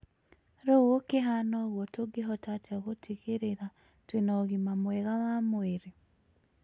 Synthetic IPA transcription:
ɾɔwokeɦanɔɣwɔtoɡeɦɔtateoɣotʰiɣeɾeɾa | twenɔɣimamwɛɣawamoeɾe

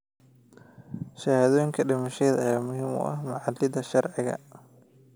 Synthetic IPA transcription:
ʃɐhaːðɔːjɪŋkʰɐɖɪmɐʃɛːðɐjaːmʊɦiːmʊ̰ʔɐ̰hmɐʕɑd̪ɪðɐʃɐrʕɪɣɐ̰

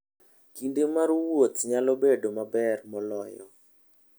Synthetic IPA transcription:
kindemaɾwot̪ɲalɔbedomabɛrmɔlɔjɔ̰

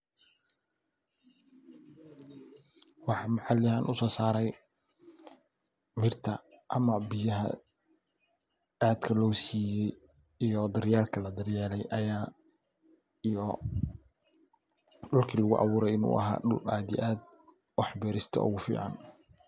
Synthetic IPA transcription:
wɑħɑmħɑlɪhanʔʊsɔːsaːɾɛj | mɪrt̪ʰɐ | ʔɐmɐbɪjɐɦɐ̰ | aːd̪kʰɐlɔːsiːjɛj | ijɔd̪ɐrjaːlkʰɐlɐd̪ɐrjaːlɛjʔɐjaː | ijɔ | ɖʊlkʰilɐɣʊʔɑ̰βuːɾɛjɪnṵːʔɐ̰ɦa̰ːɖʊla̰ːd̪ḭʔaːd̪̚ | wɑħbɛːɾɪst̪ʰɔ̰ʔʊ̰ɣʊfḭːʕɑ̰n

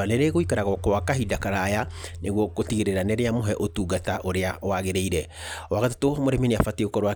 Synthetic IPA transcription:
aneɾeɣoikaɾaɣɔkɔwakaɦidakaɾajaneɣwɔkotiɣeɾeɾaneɾeamoɦɛʔotuɡataʔoɾeawaɣeɾeiɾɛ | ɔwaɣatotomoɾemineafateɣokɔɾwa

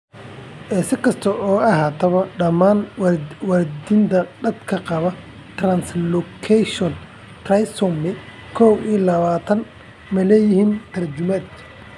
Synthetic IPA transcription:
ʔɛːsɪkʰɐst̪ʰɐʔɔːɐɦaːt̪ʰɐβɐɖɐmaːnwɑɾd̪ɪnt̪ʰɐd̪ɐd̪kʰɐqɑβɐ | t̪rɐnslɔkʰɛʃɔn | t̪rɐjsɔmɪ | kʰɔwiːlɐβaːt̪ʰɐn | mɛlɛːjɪhiːnt̪ʰɐrt͡ʃʊmɐːd̪

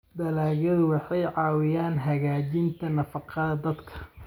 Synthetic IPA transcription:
d̪ɐlaːɣjɐðʊwɑħɑjʕɑːwɪjaːnɦɐɣaːt͡ʃɪnt̪ʰɐnɐfɑqɑðɐd̪ɐd̪kʰɐ̥

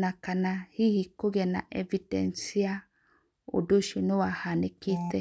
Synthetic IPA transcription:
nakanahihikoɣɛna̰ʔɛvidɛ̰nsia | o̰doʃenewahaneketɛ

